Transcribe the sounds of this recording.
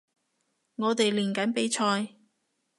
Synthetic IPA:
ŋɔː˨˧t̪e˨jliː˨˩nkɐ˨˥npe˨˥jt͡ʃʰɔː˧j

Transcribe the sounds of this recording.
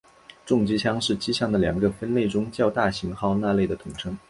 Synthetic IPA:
ʈ͡ʂʊ˥˩ŋt͡ɕi˥ɕʰjɑ˥ŋʂɻ̩˥˩t͡ɕi˥ɕjɑ˥˩ŋd̪ə˩ljɑ˨˩ŋɡə˧fə˥nle˥˩ɪʈ͡ʂʊ˥ŋt͡ɕjɑ˥˧ʊt̪a˥˩ɕi˧˥ŋxɑ˥˧ʊna˥˧le˥˩ɪd̪ə˩t̪ʰʊ˨˩ŋʈ͡ʂʰɤ˥ŋ

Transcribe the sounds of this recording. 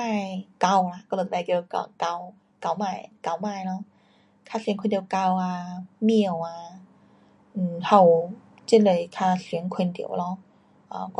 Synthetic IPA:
maː˧˩jka˧wla˧˩kɔ˧l̚ma˧˩ki˧ka̰˧˩ka˧˩w | ka˧˩wmaː˧˩jka˧˩wmaː˧˩jlɔ˧˥ | kʰaː˧˩si˨˦ŋkʰe˧nt̪i˨˩˧wka˧waː˧mi˧˩əwaː˧ | ʔ̩˨˩ha˧˩w | t͡ɕi˥˩nlɤ˧˩jkʰaː˧˩si˨˦əŋkʰwe˧nt̪ḭ˧˦˩əwlɔ˧˥ | ʔa˧˩k

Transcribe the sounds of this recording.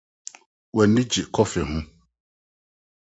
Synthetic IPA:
wɛ˨nːĩ˦d͡ʑi˨kʰɔ˦fɛ˨ɦʊ̃˦

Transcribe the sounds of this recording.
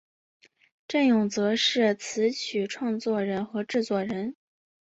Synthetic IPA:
ʈ͡ʂə˥˩njʊ˨˩ŋt͡sɤ˧˥ʂɻ̩˥˩t͡sʰɹ̩˧˥t͡ɕʰy˨˩ʈ͡ʂʰwɑ˥˧ŋt͡swɔ˥˩ɻə˧˥nxɤ˧˥ʈ͡ʂɻ̩˥˧t͡swɔ˥˩ɻə˧˥n

